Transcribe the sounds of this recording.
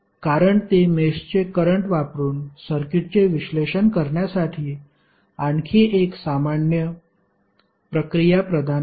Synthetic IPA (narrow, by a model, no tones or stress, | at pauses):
kaɾəɳt̪emest͡ɕekəɾəɳʈʋapɾuːnsəɾkiʈ̚t͡seʋiɕleɕənkəɾɳjasaʈʰiː | aɳkʰeʔeksamaɳjə | pɾəkɾijapɾəd̪ʱa